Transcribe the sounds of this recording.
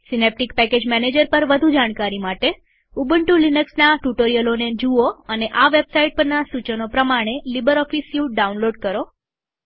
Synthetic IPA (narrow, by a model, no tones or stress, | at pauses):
sinep̚ʈikpɛked͡ʒmɛned͡ʒəɾpəɾʋəd̪ʱud͡ʒaɽ̃kaɾimaʈe | ubəɳʈulinəksnaʈuʈoɾijəloned͡ʒuoəneʔaʋebsaiʈ̚pəɾnasut͡ʃənopɾəmaɽ̃elibəɾɔfisjũɖaunloɖkəɾo